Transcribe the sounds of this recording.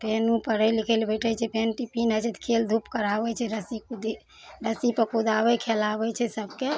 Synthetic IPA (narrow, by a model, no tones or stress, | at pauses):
penupəɽəjlikʰəlbəʈʰət͡ʃʰɛpenʈipinət͡ʃʰɛt̪kʰeld̪ʱupkəɾabɛt͡ʃʰɛɾəsikud̪i | ɾəsipəkud̪ʱabɛkʰelabɛt͡ʃʰɛsəbke